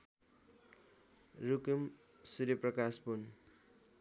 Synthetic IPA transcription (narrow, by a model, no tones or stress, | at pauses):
rukem | suɾiprʌkaspun